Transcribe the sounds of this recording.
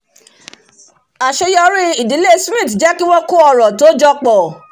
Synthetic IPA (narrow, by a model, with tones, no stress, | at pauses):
a˨ʃe˧jɔ˧ɾi˦i˨di˨˦le˦˨smĩ˦˨td͡ʒɛ˦ki˦w̃ɔ̃˦ko˦ɔ˧˨ɾɔ̃˨to˨˦d͡ʒɔ˧k͡pɔ˨